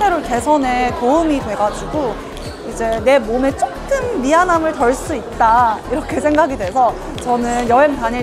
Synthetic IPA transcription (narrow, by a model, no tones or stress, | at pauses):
eɾote̞sʰʌnetoɯmidwe̞ɡad͡ʑuɡo | id͡ʑe̞ne̞mome̞t͡ɕ͈ok̚k͈ɯnːiɦanamɯɭtʌɭs͈uit̚t͈aiɾʌkʰe̞sʰe̞ŋɡaɡidwe̞sʰʌ | t͡ɕʌnɯnjʌɦeŋtaɲi